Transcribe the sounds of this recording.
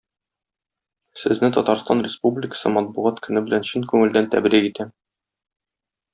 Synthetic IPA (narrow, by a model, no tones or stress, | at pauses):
sɘ̆znɘt̪ɒt̪ɑɾst̪ɑnrʲɪspublʲɪkə̥̆sɤmɒt̪̚buʁɑt̪kɵ̆nɘbɘ̆lænɕɵŋkʉŋɘ̆ld̪ænt̪æ̰bɾikit̪æ